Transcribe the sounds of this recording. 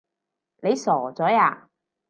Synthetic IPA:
ne˨˧jsɔː˨˩t͡sɔː˨˥jaː˧˩

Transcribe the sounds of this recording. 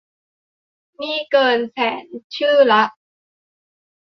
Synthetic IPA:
niː˥˩kɤː˧nsɛː˩˦nt͡ɕʰɯː˥˩la˦˥ʔ̚

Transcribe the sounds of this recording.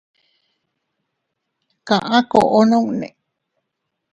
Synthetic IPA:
kã˨ʔã˦ko˨ʔo˦no˦ŋnḛ˨

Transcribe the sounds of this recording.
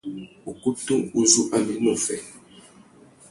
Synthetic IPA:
u˨ku˦tu˦u˦zu˦ʔa˦mi˨mu˨fɛ˨

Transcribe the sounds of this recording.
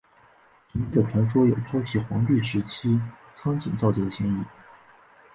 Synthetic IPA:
t͡ɕi˧˥i˥˩ə˩t̪ʰɛ˧˥nʂwɔ˥jo˨˩ʊʈ͡ʂʰwɑ˥ʊt͡ɕʰi˧˥xwɑ˧˥ŋt̪i˥˩ʂɻ̩˧˥t͡ɕʰi˥ | t͡sʰɑ˥ŋt͡ɕḭ˨˩nt͡sɑ˥˩ʊt͡ɕi˥˩d̪ə˩ɕjɛ˥ŋi˥˩

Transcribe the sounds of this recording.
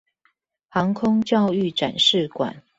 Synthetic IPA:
hɑ˧˦ŋkʰʊ˦ŋt͡ɕjɑ˥˧ʊy˥˨ʈ͡ʂa˨˩nʂɻ̩˥˨kwa̰˨˩˦n

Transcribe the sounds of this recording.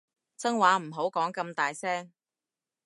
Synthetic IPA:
t͡sɐ˥ŋwaː˨˥m̩˨˩ɦo˨˥wkɔː˨˥ŋkɐ˧mt̪aː˨jsɛː˥ŋ

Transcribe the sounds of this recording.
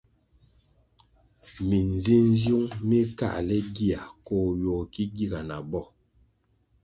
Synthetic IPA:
mi˨n˨zi˦n˦zju˦ŋmi˦ka̰˦˨ʔlɛ˦ɡi˦a˨koː˨jo˨ki˦ɡi˦˨ɡa˨na˨bɔ˦˨

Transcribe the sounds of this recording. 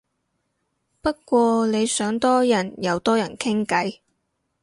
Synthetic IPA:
pɐ˥t̚kʷɔː˧ne˨˧jsœː˨˥ŋt̪ɔː˥jɐ˨˩njɐ˨˧wt̪ɔː˥jɐ˨˩nkʰɪ˥ŋkɐ˨˥j

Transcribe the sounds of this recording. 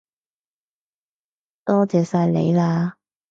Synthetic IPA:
t̪ɔː˥t͡sɛː˨˧saː˧jlḛ˨˧jlaː˧

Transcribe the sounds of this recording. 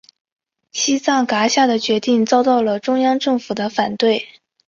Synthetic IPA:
ɕi˥t͡sɑ˥˩ŋka˧˥ɕja˥˩d̪ə˩t͡ɕɥɛ˧˥t̪i˥˧ŋt͡sɑ˥˧ʊt̪ɑ˥˩ʊlə˩ʈ͡ʂʊ˥ŋjɑ˥ŋʈ͡ʂɤ˥˩ŋfu˨˩d̪ə˦fa˨˩nt̪we˥˩ɪ

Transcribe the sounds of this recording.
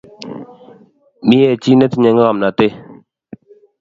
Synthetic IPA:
mi˦jɛ˨t͡ʃi˦nɛ˦ti˨ɲɛ˨˦ŋ˦ɣa˨mna˨te˦

